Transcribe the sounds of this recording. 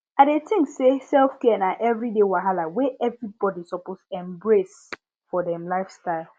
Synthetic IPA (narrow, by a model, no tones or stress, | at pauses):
aɪdetĩŋksesɛlfkɛɛnaʔɛvɹidewaɦalaweʔɛvɹibɔdisɔpostuɛ̃mbɹes | fɔdɛ̃mlaɪfstaɪl